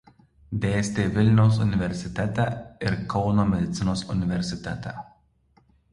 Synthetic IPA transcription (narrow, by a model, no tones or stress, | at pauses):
d̪ʲeːsʲt̪ʲeːʋʲɪlʲnʲɛʊs̬ʊnʲɪʋʲɛɾʲsʲɪt̪ʲɛt̪ʲæːˑɪɾkʰɒʊnoːmʲɛd̪ʲɪt̪sʲɪnoːsʊnʲɪʋʲɛɾʲsʲɪt̪ʲɛ̰t̪ʲæ̰